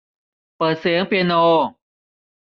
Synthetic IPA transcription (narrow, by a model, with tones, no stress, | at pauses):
pɤː˨˩t̪̚seː˩˦ŋpi˧noː˧